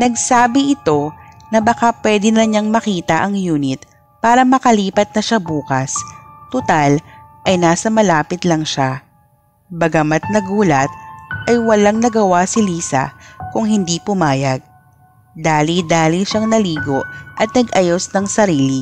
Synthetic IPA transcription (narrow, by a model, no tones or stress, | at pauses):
nɐɡsaːbɪʔɪt̪o̞nɐbɐkapwɛd̪ɪnɐɲaŋmɐkiːt̪ɐʔɐŋjuːnɪt̪̚ | paːɾɐmɐkɐliːpɐt̪̚nɐʃabuːkɐst̪ʊt̪alʔɐjnaːsɐmɐlaːpɪt̪lɐŋʃa | bɐɡɐmɐt̪̚nɐɡuːlɐt̪̚ʔɐjwɐlaŋnɐɡɐwasɪliːsɐ̰kʊŋɦɪnd̪ipʊmaːjɐɡ̚ | d̪aːlid̪aːliʃaŋnɐliːɡo̞ʔɐt̪̚nɐɡʔɐjosnɐŋsɐɾiːli